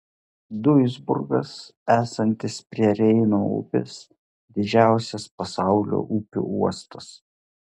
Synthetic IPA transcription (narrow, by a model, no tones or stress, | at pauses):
d̪ʊɪzbʊ̰ɾɡɐsæːsɐnʲt̪ʲɪspʲɾʲiɛɾʲɛɪnoːʊ̰pʲɪ̰s | d̪ʲɪd͡ʒʲæˑʊsʲɛspɐsɑˑʊlʲo̰ːʔupʲṵːuɔst̪ɐs